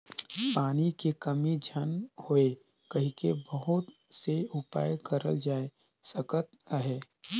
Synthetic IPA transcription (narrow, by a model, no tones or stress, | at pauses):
paːnikekɐmid͡ʒʱənhoe | kɐɦĩkebəɦʊt̪seʊpa̰ːjkəɾəld͡ʒaːe | sɐkət̪̚aɦeː